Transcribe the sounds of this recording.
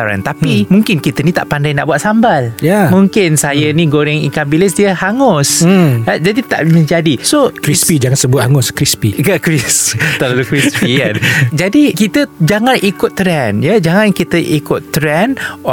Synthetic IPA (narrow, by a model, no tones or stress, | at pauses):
aɾa̰nt̪apimũŋkɪnkit̪ənĩt̪a̰ʔpandajnaʔbuat̪̚sambaljamũŋkɪnsajənĩɡoɾɛŋikabilɪs̬diəhaŋʊs | d͡ʒadit̪a̰ʔmə̃ɲd͡ʒadisokɾispid͡ʒaŋansəbʊt̪̚haŋʊskɾispiɡakɾist̪alalukɾispikand͡ʒadikit̪əd͡ʒaŋãnʔikʊt̪tːɾɛnjad͡ʒaŋãnkit̪əʔikʊt̪t̪ːɾɛnɔ